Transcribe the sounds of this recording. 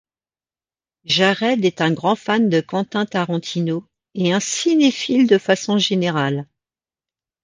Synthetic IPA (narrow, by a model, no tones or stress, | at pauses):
ʒaʁɛd̪ɛt̪ɛ̃ɡʁɑ̃fand̪əkɑ̃t̪ɛ̃t̪aʁɑ̃t̪ʰino | eɛ̃sinefild̪əfasɔ̃ʒeneʁal